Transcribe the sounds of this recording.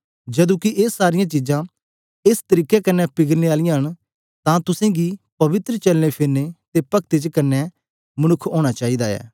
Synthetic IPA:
d͡ʒɐd̪ũːkiʔeːsːaːɾɪjãt͡ʃiːd͡ʒãː | ɪst̪əɾiːkɛkɐnːɛpɪɡəɾneaːlɪjãɦən | t̪ãːt̪ʊsẽːɡipɐʋɪt̪ɾət͡ʃɐlnepʰɪɾnet̪epəkt̪et͡ʃkɐnːɛː | mənʊkʰoːɽ̃at͡ʃaːiːd̪aɛ̰ː

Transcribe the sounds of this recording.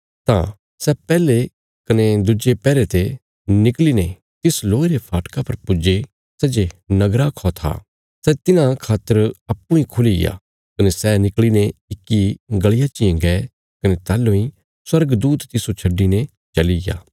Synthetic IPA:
t̪ã̰ | sɛpɛːle | kɐned̪ʊd͡ʒepɛːɾet̪e | nɪkline | t̪ɪsloːeɾepʰaːʈkapɐɾpʊd͡ʒe | sɛd͡ʒenɐɡɾakʰɔt̪ʰa̰ | sɛt̪ɪnãkʰaːt̪ːəɾɐpːũĩkʰʊliɡja̰ | kɐnesɛnɪklineɪkːiɡɐɭɪjat͡ʃɪẽɡɛ | kɐnet̪ɛːlːõĩ | swɐɾɡd̪uːt̪t̪ːɪsot͡ʃʰɐɖːinẽ | t͡ʃɐliɡa̰ː

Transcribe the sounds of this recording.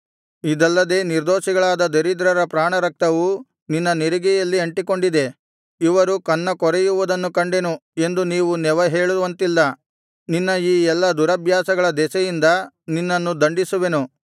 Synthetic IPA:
id̪ɐlːɐd̪e̞ːniɾd̪oːʃiɡɐɭaːd̪ɐd̪eɾid̪ɾɐɾɐpɾaːɳɐɾɐk̚t̪ɐʋu | ninːɐniɾiɡɛjɐlːiɐɳʈiko̞ɳɖid̪e̞ | iʋɐɾukɐnːɐkɔɾɛjuʋud̪ɐnːukɐɳɖe̞nue̞nd̪uniːʋunɛʋɐɦe̞ːɭuʋɐnt̪ilːɐ | ninːɐiːɛlːɐd̪uɾɐbʱjaːsɐɡɐɭɐd̪ɛsɛjind̪ɐ | ninːɐnːud̪ɐɳɖisuʋe̞nu

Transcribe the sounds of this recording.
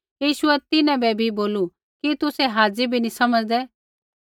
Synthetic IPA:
jiːʃʊɛt̪ɪnɛ̃bɛbʱiboːlu | kit̪ʊsɛɦaːd͡ʒibʱinisɐməd͡zd̪ɛ

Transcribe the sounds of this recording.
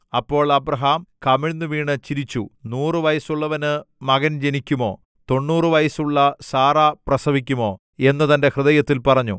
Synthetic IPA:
ɐpːo̞ːɭɐbrɐɦaːmkɐmiɻnːɨʋiːɳɨt͡ɕiɾit͡ɕːunuːrɨʋɐjɐsuɭːɐʋɐnɨmɐɣɐnd͡ʑe̞nikʲːumo̞ː | t̪o̞ɳːuːrɨʋɐjɐsuɭːɐsaːraːprɐsɐbik̬ʲːumo̞ː | e̞nːɐt̪ɐnde̞hrɨðɐjɐt̪ːilpɐrɐɲːṵ

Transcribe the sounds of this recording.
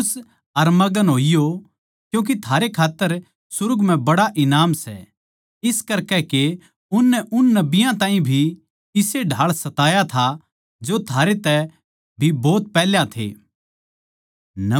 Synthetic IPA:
s | ɐɾmɐɡənɦoːijo | kjũːk̬it̪ʰaːɾekʰaːt̪ːəɾ | sʊɾʊɡm̤ɛ̃bɐɽaʔɪnaːmsɛ̰ | ɪskɐɾkɛke | ʊnːɛʔʊnːɐbɪjãt̪ãːɦĩbʱi | ɪseɖʱaːɭsɐt̪aːjat̪ʰa | d͡ʒot̪ʰaːɾet̪ɛ | bʱibɔːt̪̚pɛːljãt̪ʰḛː | n

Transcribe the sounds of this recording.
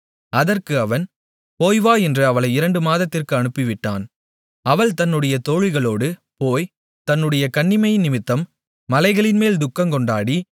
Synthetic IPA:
ɐðɐrkɯɐʋɐn | poːjʋaːɛndrɯɐʋɐɭɐɪɪɾɐɳɖɯmaːðɐt̪ːɪrkɯɐɳɯpːɪʋɪʈːaːn | ɐʋɐɭt̪ɐnːɯɽɐjɐt̪oːɻɪɣɐɭoːɽɯpoːj | t̪ɐnːɯɽɐjɐkɐɳːɪmɐjɪnɪmɪt̪ːɐmː | ɐlɐɪɣɐɭɪnmeːld̪ʊkːɐmkɔɳɖaːɽi

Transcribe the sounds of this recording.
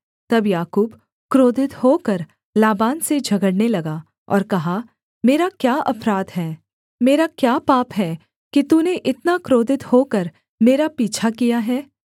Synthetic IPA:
t̪ɐbjaːkuːb | kɾoːd̪ʱɪt̪hokəɾ | laːbaːnsed͡ʒʱɐɡəɽnelɐɡa | ɔ̰ːɾkɐɦa | meːɾakjaːʔɐpɾaːd̪ɦɛː | meːɾakjaːpaːpɦɛː | kit̪uneʔɪt̪nakɾoːd̪ʱɪt̪hokəɾ | meːɾapiːt͡ʃʰakijaɦɛː

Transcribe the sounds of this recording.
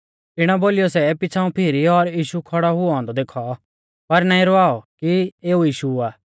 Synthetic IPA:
ɪɽ̃aboːlɪjɔsɛepɪt͡ʃʰãːũpʰɪɾiɔɾjiːʃukʰɔɽɔɦʊɦɔ̃ːnd̪ɔd̪eːkʰɔ | pɐɾnaːĩɾɔaːɔkieːujiːʃuaː

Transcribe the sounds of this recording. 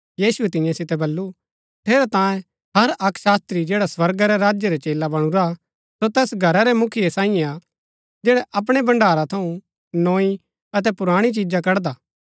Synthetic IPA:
jiːsuɛt̪ɪ̃jãsɪt̪ɛbɐlːu | ʈʰeːɾɛt̪ãːjẽ | ɦɐɾɐkʃaːst̪ɾid͡ʒeːɽaswɐɾɡaɾɛɾaːd͡ʒjeɾɛt͡ʃeːlabɐɽ̃uɾa | sot̪ɛːsɡʱɐɾaɾɛmʊkʰɪjesãːɪ̃ɛ̃a | d͡ʒeːɽɛʔɐp̬ɽ̃ɛbɐ̃ɳɖʱaːɾat̪ʰɐũ | nɔːi | ɐt̪̬ɛpʊɾaːɽ̃it͡ʃid͡ʒak̬ɐɾd̪aː

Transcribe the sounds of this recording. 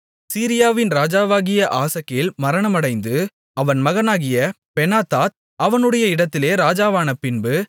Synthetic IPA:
siːɾɪjaːʋɪnɾaːd͡ʒaːʋaːɣɪjɐʔaːsɐkːɐjɪlmɐɾɐɳɐmɐɽɐɪnd̪ɯ | ɐʋɐnmɐɣɐnaːɣɪjɐ | pɛnaːt̪aːt̪̚ | ɐʋɐnɯɽɐjɐɪɽɐt̪ːɪleːɾaːd͡ʒaːʋaːnɐpːɪnbɯ

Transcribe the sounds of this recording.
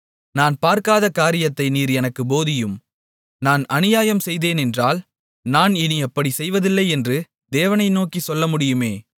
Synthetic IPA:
naːnpaːɾkaːðɐkaːɾɪjɐt̪ːɐɪniːɾɛnɐkːɯboːðɪjɯm | naːnɐnɪjaːjɐmsɛjðeːnɛndraːl | naːnɪniɛpːɐɽisɛjʋɐðɪlːɐɪɛndrɯ | d̪eːʋɐnɐɪnoːkisɔlːɐmʊɽɪjɯmeː

